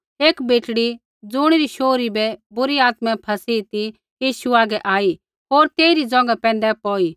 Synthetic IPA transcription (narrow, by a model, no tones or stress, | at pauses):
eːkbeːʈɽi | d͡zʊɽ̃ɾiʃoːɾibɛbʊɾiaːt̪mɛ̃pʰɐsiːt̪i | jiːʃuaːɡɛʔaːi | ɦoːɾt̪eːɾid͡zɔ̃ːŋɡapɛ̃ːn̆d̪ɛpɔːi